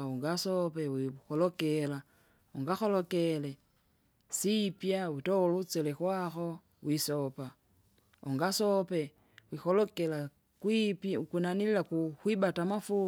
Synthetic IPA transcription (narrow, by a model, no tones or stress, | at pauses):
uŋɡasɔpɛwixɔlɔkɛla | ɔŋɡaxɔlɔkɛlɛ | sipjawitɔlut͡sɛlɛkwaxɔ | wisɔpa | ɔŋɡasɔpɛ | wixɔlɔkɛla | kwipkinanililakukwibatamafu